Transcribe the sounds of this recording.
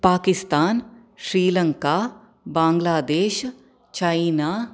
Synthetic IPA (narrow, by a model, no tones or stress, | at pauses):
paːkɪst̪aːn | ʃɾiːlə̃ŋka | bãːŋɡlaːd̪eːʃ | t͡ʃaːina